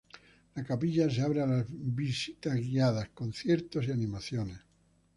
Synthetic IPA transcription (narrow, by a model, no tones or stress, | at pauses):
lakapiʎas̬eaβɾealazβisit̪azɣiaðaskonθjeɾt̪osianĩmaθjones